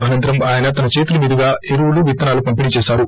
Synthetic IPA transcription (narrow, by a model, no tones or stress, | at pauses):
aːjɐnt̪ɾɐmaːjɐnɐt̪ɐnɐt͡ʃeːt̪ulɐmiːd̪ʱɐɡaːeɾuwuluʋit̪ːɐnaːlupɐmpiniːt͡ʃeːsaːɾu